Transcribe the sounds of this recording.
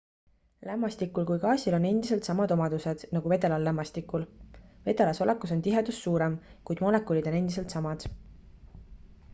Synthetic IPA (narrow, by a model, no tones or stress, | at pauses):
læmːɑst̪ikːˑulkujkɑːsʲilo̞ne̞nd̪̥is̬e̞lt̪sɑmɑd̪o̞mɑd̪̥use̞d̪̥nɑɡ̥uve̞d̪̥e̞lɑlːæmːɑst̪ikːulve̞d̪̥e̞lɑso̞lʔekːˑuso̞nt̪iɦed̪̥usːuːɾemkujd̪̥molekːˑulʲid̪o̞ne̞nd̪is̬e̞lt̪sɑmɑd̪̥